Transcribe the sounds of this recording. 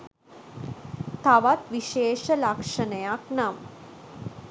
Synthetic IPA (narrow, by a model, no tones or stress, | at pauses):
t̪ʰaʋat̪ʋiʃeːʂɐlakʂɐnɐjaknam